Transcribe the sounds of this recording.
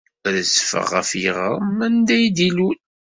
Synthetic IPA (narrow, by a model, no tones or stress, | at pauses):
ðzfə̰ʁːə̰fjəʁə̰ʁmænd̪æjd̪ilun